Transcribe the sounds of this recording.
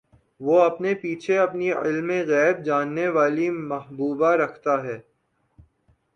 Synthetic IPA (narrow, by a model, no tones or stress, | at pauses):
ʋoɐpnepiːt͡ʃʰeɐpniɪ̰lmẽɣɛːb̚d͡ʒaːnːeʋaːlimɐɦbuːbaɾɐkʰt̪aɦɛː